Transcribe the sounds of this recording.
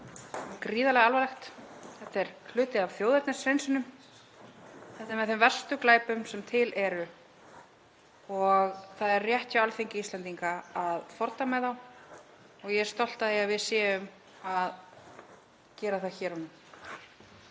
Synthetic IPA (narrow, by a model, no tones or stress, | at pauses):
kɾiːðalɛɣalvalɛxt̪θɛt̪ɛɾ̥kʰlʏːt̪ɪðavθjoːwðɛɾt̪nasɾejnsʏnʏm | θɛht̪aɾmɛðθʏmvɛr̥st̪ʏklaːjpʏmsɛmt̪ʰɪlʔɛɾʏ | ɔɣθaðɛɾrrjɛht̪jawalfejɲcɪist̪lɛnt̪iŋkaaðfɔɾt̪amɛðaw | ɔɣjɛ̥st̪ɔl̥t̪aðiavɪðsjɛːʏm | að | cɛːɾaθaðçɛːɾɔnʏm